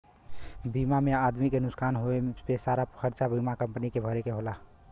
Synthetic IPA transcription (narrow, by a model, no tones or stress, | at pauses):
bimamead̪mikenʊskanɦoepesaɾapəkʰəɾt͡ʃabimakəmpnikebʱəɾekeɦola